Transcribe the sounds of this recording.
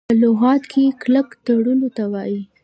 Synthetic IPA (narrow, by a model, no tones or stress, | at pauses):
əlʊɣɑt̪kʰekləkt̪aɽulot̪awɑji